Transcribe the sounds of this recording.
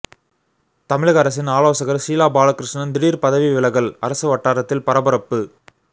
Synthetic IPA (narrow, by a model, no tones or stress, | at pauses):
t̪ɐmɪɻɐɣɐɾɐs̬ɪnaːɭoːsɐɣɐɾsiːlaːbaːɭɐkɾɪʂnɐnd̪ɪɽiːɾpɐðɐʋiʋɪɭɐɣɐɭɐɾɐsɯʋɐʈːaːɾɐt̪ːɪlpɐɾɐbɐɾɐpːɯ